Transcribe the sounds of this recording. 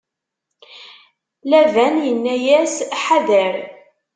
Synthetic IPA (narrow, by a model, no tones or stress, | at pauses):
lævænjənːæjæsħaðəɾ